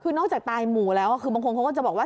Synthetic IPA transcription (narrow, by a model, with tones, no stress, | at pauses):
kʰɯː˧nɔː˥˩k̚t͡ɕaː˨˩k̚t̪aː˧jmuː˨˩lɛː˦˥wka˥˩kʰɯː˧ba˧ŋkʰo˧nkʰwkɔː˥˩t͡ɕbɔː˨˩k̚wa˥˩